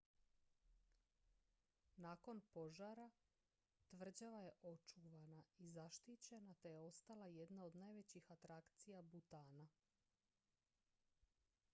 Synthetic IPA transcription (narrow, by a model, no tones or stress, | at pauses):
naːko̞npo̞ʒaɾa | t̪ʋr̩d͡ʑaʋaje̞ʔo̞t͡ʃuʋanaizaʃt̪it͡ɕe̞nat̪ejeo̞st̪alaje̞d̪nao̞d̪najʋe̞t͡ɕixat̪ɾakt̪sijabut̪aːna